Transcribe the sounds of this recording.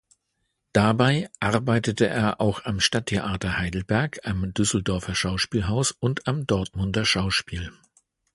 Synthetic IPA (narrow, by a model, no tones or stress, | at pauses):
d̥abaɪʔaʁɐbaɪtətəʔḛːɐʔaʊxamʃtatʰːeʔaːtɐhaɪdl̩bɛɐkʰamdʏsl̩dɔɐfɐʃaʊʃpiːlɦaʊsʊntamdɔɐtmʊndɐʃaʊʃpiːl